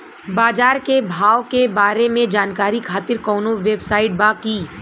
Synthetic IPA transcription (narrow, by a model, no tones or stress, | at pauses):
baːd͡ʒaːɾkebʱaːʋkebaːɾemẽd͡ʒaːnkaːɾikʰaːt̪ɪɾkɔːnõʋebsaːɪʈ̚baːkiː